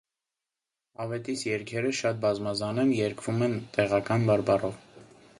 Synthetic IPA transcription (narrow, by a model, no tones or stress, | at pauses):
ɑvɛt̪isjɛɾkʰɛɾəʃɑt̪̚bɑzmɑzɑnɛnjɛɾkʰvumɛnt̪ɛʁɑkɑnbɑɾbɑrɔv